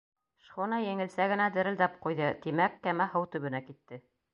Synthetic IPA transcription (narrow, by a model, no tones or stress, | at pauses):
ʃχonɑjɘ̆ŋɘ̆lsæɡɘ̆næd̪ɘ̆ɾɘ̆ld̪æp̚qujðɤt̪imækːæmæhɤwt̪ɵ̆βɘ̆nækit̪ːɘ